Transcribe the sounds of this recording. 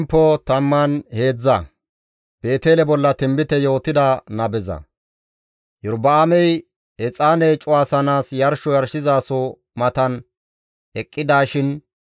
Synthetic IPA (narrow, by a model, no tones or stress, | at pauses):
mpːɔt̪ɐmːanhe̞ːd͡zːɐ | b̥e̞ːt̪e̞ːlɛbɔlːɐt̪ɪmbɪt̪ɛjo̞ːt̪ɪd̪anɐbɛzɐ̰ | jʊɾbɐamɛj | ɛt͡sʼaːnɛjt͡ʃʼʊwaːsɐnaːsjɐɾʃɔjɐɾʃɪzaːsɔ | mɐt̪ɐn | ɛkʼːɪd̪aːʃɪn